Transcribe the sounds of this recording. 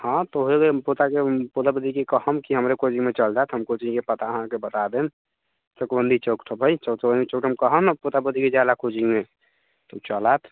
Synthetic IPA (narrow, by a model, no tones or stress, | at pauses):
hãt̪ɔɦekeput̪akeput̪abəd̪ikekəɦəmkiɦəmɾekod͡ʒimet͡ʃəld͡ʒat̪ɦəmkot͡ʃikepət̪aəɦãkebət̪ad̪en | t͡ʃəkbənd̪ʱit͡ʃəkʈʰbʱəjt͡ʃəkbənd̪it͡ʃokʈʰəmkəɦənput̪abəd̪ʱiked͡ʒjad̪akod͡ʒime | t̪ot͡ʃəlat̪ʰ